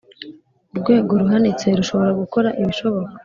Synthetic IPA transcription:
uɾɡwe̞ːɡoɾuɦanit͡se̞ɾuʃo̞βo̞ɾaɡuko̞ɾaʔiβiʃo̞βo̞kḁ

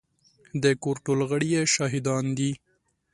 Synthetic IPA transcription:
d̪əkoɾʈolɣəɽijeʃɑɦɪd̪ɑnd̪i

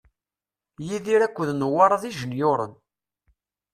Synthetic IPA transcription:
jiðiɾækʷːəðnwɑɾˤɑðiʒənjʊɾˤə̰n

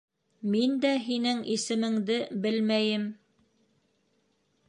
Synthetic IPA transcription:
mind̪æɦinɘŋʔisɘ̆mɘ̆ŋd̪ɘbɘlmæjɘm

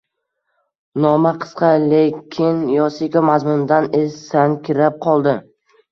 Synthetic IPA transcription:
nɒmaqʰɨ̥sqɑlekʲʰɪnjɒsikʲamazmʊnd̪anesankʲʰɪɾap̚qʰɒlˠd̪ɪ

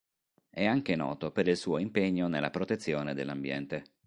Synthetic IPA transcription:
ɛaŋk̟enɔ̰ːt̪opeɾilsuːoimpeɲːonelːapɾot̪et̪sːjoːned̪elːambjɛ̰nt̪e

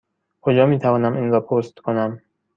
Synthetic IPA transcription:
kʰod͡ʒɒːmiːt̪ʰævɒːnæmʔinɾɒːpʰost̪kʰo̞næm

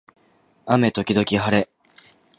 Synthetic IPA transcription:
ame̞t̪o̞kʲid̪o̞kʲiɦaɾe̞

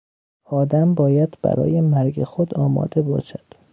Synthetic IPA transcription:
ɒːd̪æmbɒːjæd̪bæ̰ɾɒ̰ːjemæɾɡexod̪ɒːmɒ̰ːd̪e̞bɒːʃæd̪̥

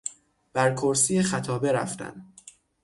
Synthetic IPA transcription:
b̥æɾkʰoɾsiːjexæt̪ʰɒːbe̞ɾæ̰ft̪æ̰nd̪

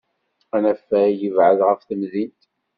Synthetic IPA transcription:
ænæfːæjəvʕəðʁəfθəmðint̪

